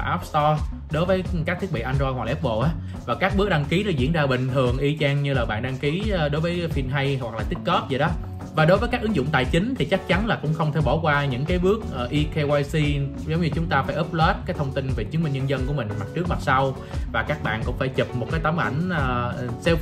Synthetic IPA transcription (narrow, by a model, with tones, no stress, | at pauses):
ʔa˦˥p̚st̪ɔ˧ | ɗo˨˦jvəː˨˦jkaː˦˥k̪̚ʰi˦˥ək̚ɓ̰ḭ˧˨ʔa˧nzjhwa˨˩lːɛ˦˥p̚vo̰˧˨ʔaː˨˦ | vaː˨˩kaː˦˥k̚ɓɨ˦˥ək̚ɗaː˧ŋki˨˦nɔ˨˦zḭ˧˥ənzaː˧ɓï˨˩ŋ̟t̪ʰɨ˨˩əŋʔi˧t͡ɕaː˧ŋɲɨ˧laː˨˩ɓa̰ː˧˨nɗa˧ŋki˨˦˨ɗo˨˦jvəː˨˦jfi˧nɦa˧jɦwa˨˩k̚laː˨˩t̪i˦˥t̚kɔ˦˥p̚zi˨˩ɗɔ˨˦ | vaː˨˩ɗo˨˦jvəː˨˦jkaː˦˥kʔɨ˨˦ŋzʊ̰˧˨ŋ͡mt̪a̰ː˧˨jt͡ɕï˨˦ŋ̟t̪ʰi˨˩t͡ɕa˦˥k̚t͡ɕa˨˦nlaː˨˩kʊ̰˧˥ŋ͡mxə˧wŋ͡mt̪ʰe˧˩ɓɔ˧˩kwaː˧ɲɨ̰˧˥ŋkaː˨˦jɓɨ˦˥ək̚ʔəː˨˩ʔi˧ke˧waː˧jsi˧ | zə˨˦wŋ͡mɲɨ˧t͡ɕʊ˨˦ŋ͡mt̪aː˧faː˧˩jʔɨ˦˥p̚lɛː˦˥t̚kaː˨˦jt̪ʰə˧ŋ͡mt̪i˧nve˨˩t͡ɕɨ˨˦ŋmï˧ŋ̟ɲə˧nzə˧nku˧˩əmï˨˩ŋ̟ma˨˩t̚t͡ɕɨ˦˥ək̚ma˨˩t̚sa˧w | vaː˨˩kaː˦˥k̚ɓa̰ː˧˨nkʊ̰˧˥ŋ͡mfaː˧˩jt͡ɕi˨˩p̚mo˨˩t̚kaː˨˦t̪a˨˦mʔa̰˧˩jŋ̟əː˨˩sɛ˧w